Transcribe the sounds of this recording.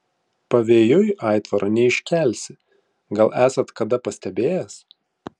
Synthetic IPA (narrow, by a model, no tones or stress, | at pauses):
pɐʋʲeːjoːjʔɑˑɪt̪ʋɐɾʔɐnʲɛɪʃʲkʲæˑlʲsʲɪ | ɡɐlˠʔæːsɐt̪kɐd̪ɐpɐsʲt̪ʲɛbʲeːjɛs